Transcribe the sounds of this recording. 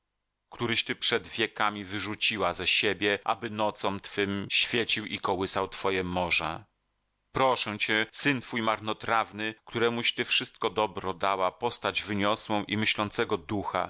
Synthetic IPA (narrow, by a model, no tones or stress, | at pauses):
kt̪uɾɘɕt̪ɘpʂɛd̪vʲjɛkamʲivɘʐut͡ɕiwazɛɕebʲjɛʔa̰bɘnɔt̪sɔmt̪fɘmɕfʲjet͡ɕiwʔikɔwɘsawt̪fɔjɛmɔʐɛ̰ | pɾɔʂɛw̃t͡ɕɛsɘnt̪fujmaɾnɔt̪ɾavnɘkt̪uɾɛmuɕt̪ɘfʂɘst̪̚kɔd̪ɔbɾɔd̪awapɔst̪ad͡ʑvɘɲɔswɔ̃w̃ʔimɘɕlɔnt̪sɛɡɔd̪uxa̰